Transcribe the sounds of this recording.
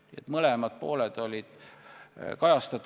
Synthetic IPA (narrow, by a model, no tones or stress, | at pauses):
ḛt̪mɤle̞mɑd̪̥̚po̞ːled̪̥o̞lʲid̪̥ | kɑjɑst̪ɑt̪ːˑ